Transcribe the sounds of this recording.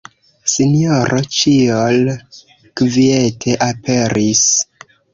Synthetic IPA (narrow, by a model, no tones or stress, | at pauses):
sinijoɾʔot͡ʃiol | kvie̞tʰe̞ʔapʰe̞ɾʔis